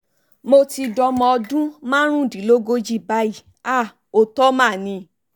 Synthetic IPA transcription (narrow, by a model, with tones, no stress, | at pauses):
mo˧ti˧dɔ˧˦mɔ̃˧ɔ˧dũ˦mãː˦ɾ̃ũ˦˨di˨˦lo˦ɡo˧˦d͡ʒi˦˨ba˨˦i˦˨ | a˦˨ | o˧tɔ˦mã˦˨nĩ˧